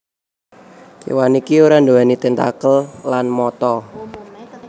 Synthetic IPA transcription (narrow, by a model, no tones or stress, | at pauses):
t͡ʃḭwanikiuɾandoanit̪ent̪a̰kəllanmɔt̪ɔ